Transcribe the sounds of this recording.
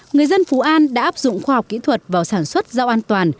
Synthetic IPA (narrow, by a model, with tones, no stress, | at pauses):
ŋɨ˨˩əjzə˧nfu˨˦ʔaː˧nɗa̰ː˧˥ʔaː˦˥p̚zʊ̰˧˨ŋ͡mxwaː˧hɔ˨˩k͡p̚kḭ˧˥t̪ʰwə˨˩t̚vaː˨˩wsaː˧˩nswə˦˥t̚zaː˧wʔaː˧nt̪waː˨˩n